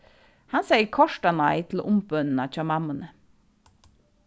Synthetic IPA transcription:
hɑnseɪəkʰɔʃʈɑnɑɪt̪ʰl̩ʔʊmbœnn̩ɑːc͡çɑmɑmənə

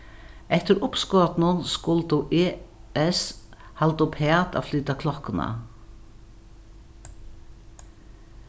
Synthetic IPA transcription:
ɛht̪ɪɾʊpskɔːt̪nʊnskʊlt̪uʔeːɛshalt̪ʊpʰɛːt̪a̰flyːt̪akʰlɔhkʊna̰

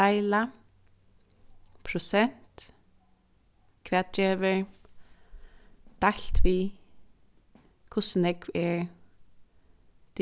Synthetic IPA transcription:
ajla | pʰɾʊsɛn̥t̪ | kʰvɛːt̪̚d͡ʒɛːʋəɹ | d̪̥alt̪ʋi | kʰʊsnɛkvɛɹ | t̪

